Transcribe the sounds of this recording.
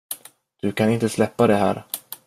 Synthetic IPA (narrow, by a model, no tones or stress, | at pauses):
d̪̥ɵkʰanɪnt̪əslɛpːad̪ɛɦæ̰ːɾ